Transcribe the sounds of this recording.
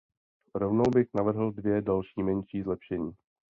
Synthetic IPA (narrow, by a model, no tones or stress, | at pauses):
ɾovnowbɪxnavr̩ɦl̩dvjɛdalʃiːmɛnʃiːzlɛpʃɛɲiː